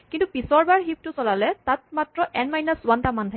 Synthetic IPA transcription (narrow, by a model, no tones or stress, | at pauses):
kintupisɔɹbaɹɦip̚tʊsɔlalɛtat̚matɹɔʔɛnmajnasuwantamantʰa